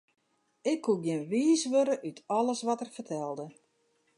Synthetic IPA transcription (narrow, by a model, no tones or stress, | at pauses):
ɪkʰːuɡjɪnʋiːsʋøɾəʔytʰɔləsʋɔtərfərtʰɛlˠdə